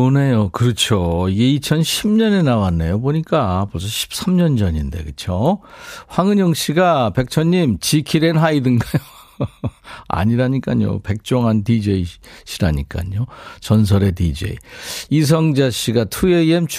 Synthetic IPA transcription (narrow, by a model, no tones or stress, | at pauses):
one̞jokɯɾʌt͡ɕʰjoiɡe̞it͡ɕʰʌnɕʰimɲʌne̞nawanːejoboɲik͈apʌs̬ʰʌɕʰi̥p̚s͈amɲʌnd͡ʑʌɲinde̞̰kɯt͡ɕʰjo | ɸwaŋɯɲʌŋɕʰiɡape̞k̚t͡ɕʰʌɲːimt͡ɕikʰiɾenɦaidɯnɡajo | a̰ɲiɾaɲik͈aɲo̰pe̞k̚t͡ɕ͈oŋɦantid͡ʑeiɕʰiɾaɲik͈a̰ɲot͡ɕʌns̬ʰʌɾe̞tid͡ʑe̞̰ḭis̬ʰʌŋd͡ʑaɕʰiɡatʰueiemt͡ɕʰ